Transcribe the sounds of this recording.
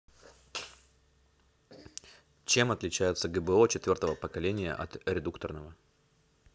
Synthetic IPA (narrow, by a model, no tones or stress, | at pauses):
t͡ɕe̞mɐt̪lʲɪt͡ɕæjɪt̪səɡəbəot͡ɕɪt̪vʲo̞rt̪əvəpəkɐlʲenʲɪjə̰ʔɐ̰t̪ɾʲɪd̪ukt̪ərnəvə